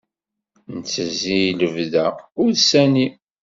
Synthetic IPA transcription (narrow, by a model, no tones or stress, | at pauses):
nət͡sːəzijləvðæʊɾðsæni